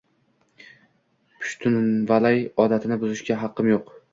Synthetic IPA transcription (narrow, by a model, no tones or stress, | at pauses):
pʰʊ̥ʃt̪ʰʊnvalajɒd̪at̪ʰɪnɪbʊzɪʃɡʲaɦɑqʰːɨmjoq